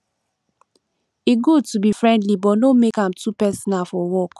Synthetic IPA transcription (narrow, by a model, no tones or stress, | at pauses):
eɡud̚tubifɹɛ̃ndlibɔnomekãmtʰupɛsɔnafɔwɔk